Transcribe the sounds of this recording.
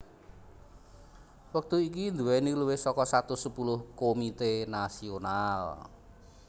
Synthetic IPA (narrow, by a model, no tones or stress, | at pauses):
wək̚t̪uik̬ind̪uwɛniluwɪhsɔkɔsat̪usəpulʊhkomit̪enasional